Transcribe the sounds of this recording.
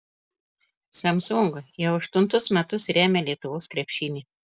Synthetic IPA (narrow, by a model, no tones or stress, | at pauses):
sɐmsʊŋɡɐjɛʊɐʃt̪ʊnt̪ʊsmʲɛt̪ʊsɾʲæːmʲɛlʲiɛt̪ʊʋoːskɾʲɛpʲʃʲɪːnʲiː